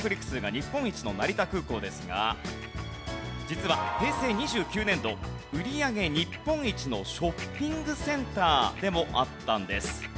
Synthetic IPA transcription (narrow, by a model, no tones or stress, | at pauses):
pɯ̟ɾʲikːɯ̟̥sɨːɡaɲ̟ipːõ̞ɰ̃it͡ɕino̞naɾʲit̪akɯ̟ːko̞ːd̪e̞sɨɡa̰ | d͡ʑit͡sɨβa̰he̞ːse̞ːɲ̟iʑɨːkʲɨːnẽ̞nd̪o̞ | ɯ̟ɾʲiaɡe̞ɲ̟ipːõ̞ɰ̃it͡ɕino̞ɕo̞pʲːĩŋɡɯ̟sẽ̞nt̪aːd̪e̞mo̞ʔat̪ːãnd̪e̞sɨ̥